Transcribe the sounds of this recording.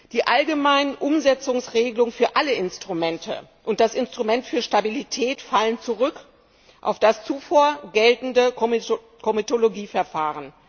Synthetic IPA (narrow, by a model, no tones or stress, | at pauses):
d̥iːʔalɡəmaɪnənʔʊmzɛt͡sʊŋsʁeːɡəlʊŋfyːɐʔaləʔɪnstʁ̥umɛntʰə̰ʔʊnt̚d̥asʔɪnstʁ̥umɛntfyːɐʃtabilitʰɛːtfalənt͡suʁʏk | ʔa̰ʊfd̥ast͡sufoːɐɡɛltn̩də | kʰomitoloɡiːfɛɐfaːʁən